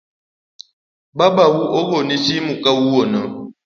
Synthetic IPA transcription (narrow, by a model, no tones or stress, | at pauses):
babawuʔoɣonit͡ʃimukawuwonə